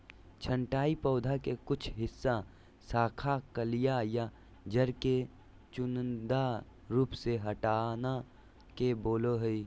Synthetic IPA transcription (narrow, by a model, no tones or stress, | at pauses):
t͡ʃʰə̃ɳʈaːipɔːd̪ʱakekʊt͡ʃʰɦɪsːa | saːkʰakəlɪjaja | d͡ʒɐɾke | t͡ʃʊnd̪a | ɾuːpseɦəʈaːna | keboːloɦəi